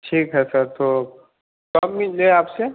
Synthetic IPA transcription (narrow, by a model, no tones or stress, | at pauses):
ʈʰiːkɦɛsəɾt̪oː | kɐbmɪlleaːpse